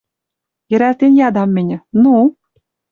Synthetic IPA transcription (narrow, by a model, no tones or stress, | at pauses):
jɘ̆ɾært̪enʲjɑd̪ɑmːʲenʲɘ̆nu